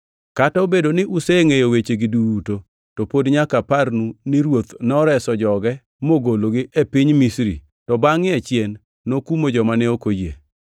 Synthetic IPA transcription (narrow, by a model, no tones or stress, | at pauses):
kataobedonɪʔuseŋejowet͡ʃeɡɪduuto | tɔpodɲakaparnuniɾwot̪nɔɾɛsɔd͡ʒɔɡɛ | moɡoloɡɪʔepɪɲmisɾḭ | tɔbaŋɪat͡ʃjenː | okumod͡ʒɔmanɛokojḛ